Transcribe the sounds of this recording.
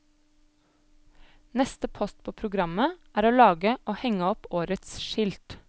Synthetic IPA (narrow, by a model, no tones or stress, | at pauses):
nɛst̪əpʰɔst̪̚pʰoːpʰɾʊɡɾɑməæːɾoːlɑːɡəʔoːhɛŋəɔpoːɾət̪sʃɪlt̪